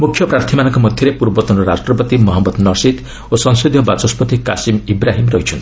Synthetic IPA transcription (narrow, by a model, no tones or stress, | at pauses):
mukʰjɔpɾaɾt̪ʰimanɔ̃ŋkɔmɔd̪ʱjɔɾepuɾbɔt̪ɔnɔɾasʈɾɔpɔt̪imɔɦɔmːɔd̪nɔsit̪ | osɔŋsod̪ʱjɔbat͡ʃɔspɔt̪ikasimibɾaɦimɾɔɦit͡ʃʰɔnt̪